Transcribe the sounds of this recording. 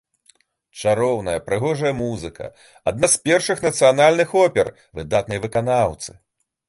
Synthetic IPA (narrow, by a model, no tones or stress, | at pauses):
t͡ʂaɾɔwnɐjɐpɾɨɣɔʐɐjɐmuzɨkʰɐ̰ | a̰d̪naspʲɛrʂɨxnɐt̪sɨjanalʲnɨxɔpʲɛr | vɨd̪at̪nɐjvɨkanawt̪sɨ̥